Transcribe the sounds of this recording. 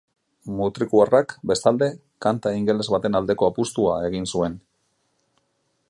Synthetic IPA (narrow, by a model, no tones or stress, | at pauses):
mut̪ɾikuarakbe̞st̪ald̪e̞ | kant̪aiŋɡe̞le̞zβat̪e̞nald̪e̞ko̞apust̪uae̞ɣ̞insue̞n